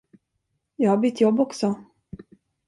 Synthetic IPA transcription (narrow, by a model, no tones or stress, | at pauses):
jɑːhabʏt̪ʰːjɔbːɔksɔ